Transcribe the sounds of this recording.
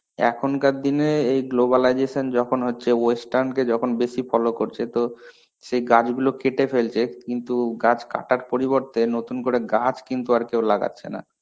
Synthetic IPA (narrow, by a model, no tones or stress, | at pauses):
ɛ̰kʰonkaɾd̪ineejɡlobalajd͡ʑeʃond͡ʑɔkʰonɦotːɕʰeojsʈaɾnk̬ed͡ʑɔkʰonbeʃifʰɔlokoɾt͡ɕʰet̪o | ʃejɡad͡ʑɡulokeʈefelt͡ɕʰekint̪uɡat͡ɕka̰ʈaɾpoɾiβoɾt̪enot̪unkoɾeɡad͡ʑkint̪uaɾkewlaɡa̰tːɕʰḛna̰